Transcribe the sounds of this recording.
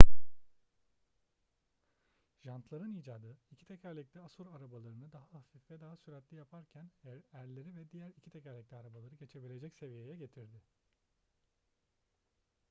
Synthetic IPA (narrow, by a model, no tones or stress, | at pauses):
ʒ̥ant̪ʰlˠaɾɯniːd͡ʒaːd̪ɯicʰi̥t̪ʰɛcʰæɾlʲiclʲɛasuɾaɾabalˠaɾɯnɯd̪aɦaafifvɛd̪aɦasyɾɛt̪lʲijapʰaɾcʰænæɾlʲe̞ɾivɛd̪ijæɾicʰi̥t̪ʰɛcæɾlʲic̚lʲɛaɾabalˠaɾɯɟe̞t͡ʃʰe̞bilʲe̞d͡ʒɛcse̞vije̞jɛɟe̞t̪ʰiɾd̪ɪ